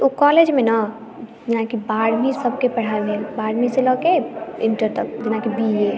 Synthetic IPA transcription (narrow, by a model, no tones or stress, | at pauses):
okɔːled͡ʒmẽna | d͡ʒɪnakibaːɽmisəb̚ʱkepɐɽ̤aebʱelbaːɽmiselɔːkeɪɳʈəɾt̪ək̚d͡ʒɪnakibiɦe